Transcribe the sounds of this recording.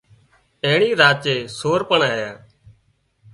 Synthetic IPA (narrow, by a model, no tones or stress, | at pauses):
eːɳiːɾaːt͡ʃeːsoːɾpəɳaːjaː